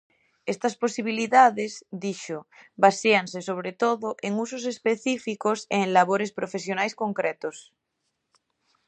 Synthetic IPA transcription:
est̪asposiβ̞iliðaðezd̪iʃoβaseansesoβ̞ɾet̪oðoʔeŋus̬osespeθifikoseːŋlaβ̞oɾespɾofes̬jonajskoŋkɾet̪os

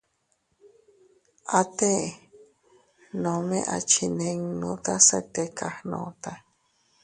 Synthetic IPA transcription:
at̪e | nõmẽʔa̰t͡ʃʰineŋnõt̪asat̪ekahnõ̰t̪a

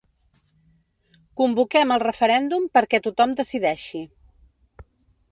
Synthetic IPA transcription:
kumbukɛməlˠrəfəɾɛnd̪umpəɾkɛt̪ut̪ɔmd̪əsiðɛʃi

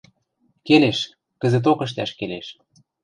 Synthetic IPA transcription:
keleʃ | kə̆zĕt̪̬okə̆ʃ̬t̪æʃkeleʃ

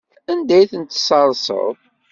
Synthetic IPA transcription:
ænd̪æjθənt̪ːsɑɾˤsə̰ðˤ

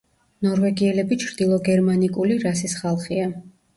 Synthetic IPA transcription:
nɔɾvɛɡiɛlɛbit͡ʃʰɾd̪ilˠɔɡɛɾmanikʼuliɾasisχalˠχia

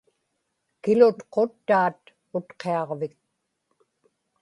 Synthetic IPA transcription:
kɪlʊt̪qʰot̪ːaːt̪ | ʊt̪qʰeɑʁvɪk̚

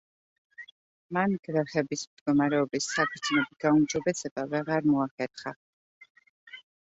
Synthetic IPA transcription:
manɡ̥vɛχɛbismd̪ɡɔmaɾɛɔbisːakʰɾd̪zʰnɛbiɡ̥aumd͡ʒɔbɛsɛb̥avɛʁaɾmɔaχɛɾχa

